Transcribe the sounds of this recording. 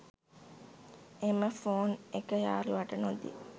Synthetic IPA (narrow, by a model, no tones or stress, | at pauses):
eməfoːnekəja̰ːluʋaʈənod̪ḭ